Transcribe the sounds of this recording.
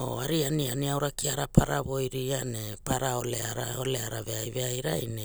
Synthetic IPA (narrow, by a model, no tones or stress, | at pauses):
o̰aɾianianiawɾakiaɾapʰaɾaβo̞jɾiane̞paɾaoleaɾaole̞aɾave̞ajve̞ajɾa̰jne